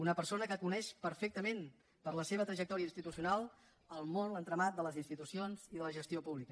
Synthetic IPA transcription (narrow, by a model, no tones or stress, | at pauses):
unəpəɾsonəkəkunɛʃpəɾfek̚t̪əmen | pəɾləseβ̞ət̪ɾəʒək̚t̪ɔɾiəinst̪it̪usiunalˠ | əlˠmonlənt̪ɾəmat̪̚d̪ələzinst̪it̪usionziðələʒəst̪iopuβlikə